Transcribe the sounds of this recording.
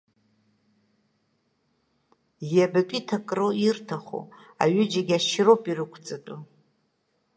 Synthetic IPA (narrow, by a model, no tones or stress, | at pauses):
jabakʷʼitʰakʼroirtʰaχo̰a̰ɥɪd͡ʒaɡʲaʃropʼirɨkʷʰt͡sʼatʼu